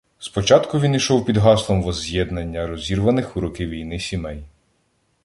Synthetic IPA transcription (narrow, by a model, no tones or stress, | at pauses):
spɔt͡ʃɑt̪kʊʋʲiniʃɔwpʲid̪ɦɑslˠɔmʋɔzʲjɛd̪nɐnʲːɐɾɔzʲirʋɐnɪxʊɾɔkɪʋʲijnɪsʲimɛj